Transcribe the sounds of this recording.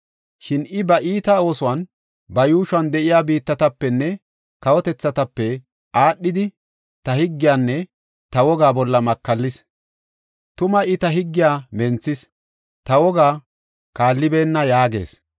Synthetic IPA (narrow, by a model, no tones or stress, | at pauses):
ʃɪnʔɪbɐʔiːt̪ɐo̞ːsʊwɐn | bɐjuːʃʊɐnd̪ɛʔɪjaːbiːt̪ːɐt̪ɐpːɛnːɛ | kɐwɔt̪ɛt͡sːɐt̪ɐpːɛ | ʔaːɗːɪd̪ɪ | t̪ɐhɪɡːɪjaːnːɛ | t̪ɐwɔɡaːbɔlːɐmɐkːɐlːɪs | t̪ʊmɐʔɪt̪ɐɦɪɡːɪjaːmɛnt͡sːɪs | t̪ɐwɔɡaː | kaːlːɪbeːnːɐjaːɡe̞̰ːs